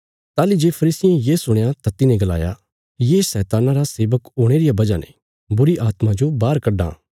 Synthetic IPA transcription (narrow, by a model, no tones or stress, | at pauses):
t̪aːlid͡ʒeːpʰɐɾiːsɪjẽjeːsʊɽ̃jat̪at̪ɪnẽɡɐla̰ːja̰ | jeːsɛːt̪aːnaɾaseːʋəkɦoːɽ̃eːɾɪjabɐd͡ʒanḛ̃ | bʊɾiʔaːt̪mãd͡ʒobaːɾkɐɖa̰ː